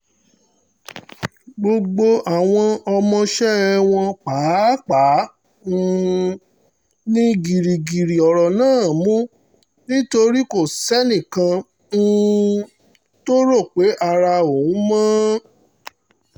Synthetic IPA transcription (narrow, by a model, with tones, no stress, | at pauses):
ɡ͡bo˧ɡ͡bo˧a˨w̃ɔ̃˧ɔ˧mɔ̃˧ʃɛ˦˧w̃ɔ̃˧k͡pa˨˦k͡pa˨˦ | nĩ˦ɡi˨ɾi˨ɡi˨ɾi˨ɔ˨ɾɔ˨nãː˦˨mũ˦ | nĩ˦to˧ɾi˦ko˦˨sɛ˦nĩ˦˨kã˧˦˧ | to˦ɾo˦˨k͡pe˨˦ʔa˧ɾa˧o˨ũ˨˦mãː˦